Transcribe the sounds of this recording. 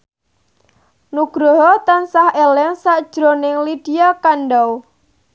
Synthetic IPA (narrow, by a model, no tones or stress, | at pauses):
nuɡ̥ɾoɦɔt̪ansahelɛŋsaʔd̥ʒ̥ɾonɪŋlid̥iakanɖaw